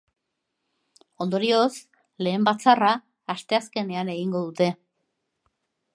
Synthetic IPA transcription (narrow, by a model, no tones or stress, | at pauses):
o̞nd̪o̞ɾio̞s | le̞ːmbat͡saraː | st̪e̞aske̞ne̞ane̞ɣ̞iŋɡo̞ðut̪e̞